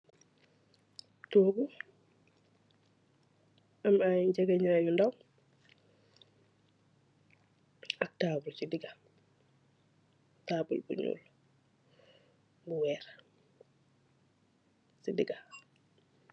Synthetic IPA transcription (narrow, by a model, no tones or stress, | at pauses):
toːɡu | amajɟɛɡaɲajundaw | ak̚taːbɾsidiɡa | taːbə̰lbuɲṵːl | buwɛːɾ | sidiɡa